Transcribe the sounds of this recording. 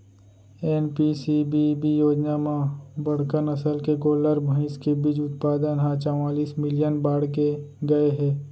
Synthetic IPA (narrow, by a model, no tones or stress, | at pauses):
ɛːnpisibibijoːd͡ʒnamãbɐɽ̤kənɐsəlkekoːləɾbʱɐ̃ɪ̃skebid͡ʒʊt̪̚paːd̪ənɦãt͡ʃɔwaːliːsmɪlijənbaːɽk̬eɡɐeɦɛː